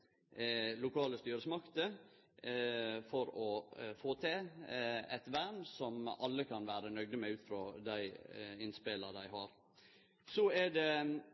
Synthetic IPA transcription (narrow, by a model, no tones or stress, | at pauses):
lʊkʰɑːləst̪yːɾəsmɑkt̪ə | fɔɾɔfoːt̪ʰeː | ɛ̰t̪ʋæɳsɔmɑlːəkʰɑnʋæːɾənœɡd̪əmɛʉːt̪fɾoːd̪æɪɪnspeləd̪æɪɦɑɾ | sɔɛd̪ɛ